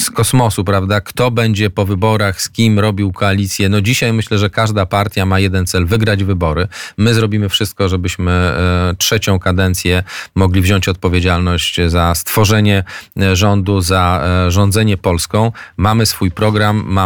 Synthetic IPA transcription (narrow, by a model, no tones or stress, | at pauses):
skɔsmɔsupɾavd̪akt̪ɔbɛɲd͡ʑɛpɔvɘbɔɾaxskʲimɾɔbʲiwkɔalʲit̪sʲjɛnɔd͡ʑiɕajmɘɕlɛʐɛkaʐd̪apaɾt̪ʲjamajɛd̪ɛnt̪sɛlvɘɡɾad͡ʑvɘbɔɾɘmɘzɾɔbʲimɘfʂɘst̪̚kɔʐɛbɘɕmɘtʂɛt͡ɕɔ̃w̃kad̪ɛnt̪sʲjɛmɔɡlʲivʑɔɲt͡ɕɔt̪̚pɔvʲjed͡ʑalnɔɕt͡ɕzast̪fɔʐɛɲɛʐɔnd̪uzaʐɔ̃nd̪zɛɲɛpɔlskɔ̃w̃mamɘsfujpɾɔɡɾamːa